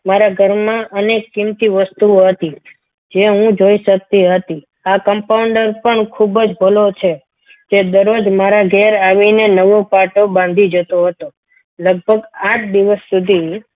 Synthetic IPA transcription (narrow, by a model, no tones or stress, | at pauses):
maɾaɡʱəɾmãʔənekːimt̪iʋəst̪uoɦət̪i | d͡ʒeɦũd͡ʒoiʃək̚t̪iɦət̪i | akəmpawɳɖəɾpəɳkʰubd͡ʒbʱəlot͡ʃʰe | d͡ʒed̪əɾod͡ʒmaɾaɡʱɛɾaʋinenəʋopaʈobãnd̪ʱid͡ʒət̪oɦət̪o | ləɡ̚bʱəɡaʈ̚d̪iʋəsːud̪ʱi